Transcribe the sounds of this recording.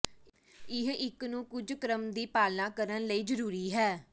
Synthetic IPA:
ɪɦɪknũːkʊd͡ʒkɾəmd̪iːpaːlãːkəɾənləiːd͡ʒəɾuːɾiːɦɛː

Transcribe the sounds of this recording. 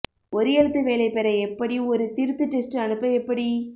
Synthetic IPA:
ʔɔɾɯjɛɻɯt̪ːɯʋeːlɐɪpɛɾɐɛpːɐɽiɔɾɯt̪ɪɾɯt̪ːɯʈːɛsʈɐɳɯpːɐɛpːɐɽi

